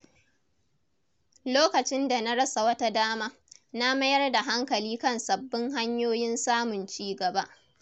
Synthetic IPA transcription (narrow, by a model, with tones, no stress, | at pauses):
loː˦kɐ˨t͡ʃɪ˦nda˨na˦ɽɐ˦sa˨wɐ˦ta˦daː˦maː˦na˦mɐ˦jɐ˦rda˨ɦa˦ŋkɐ˨liː˦kɐ˦˨nsɐ˨bːɪ˦ŋɦa˦ɲjoː˦jɪ˦nsaː˦mʊ˨nt͡ʃiː˦ɡɐ˨ba˦ʔ